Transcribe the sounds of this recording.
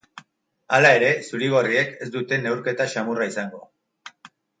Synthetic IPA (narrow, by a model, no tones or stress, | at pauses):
alae̞ɾe̞suɾiɣ̞o̞rie̞ke̞sd̪ut̪e̞ne̞wɾke̞t̪aʃamuraisaŋɡo̞̰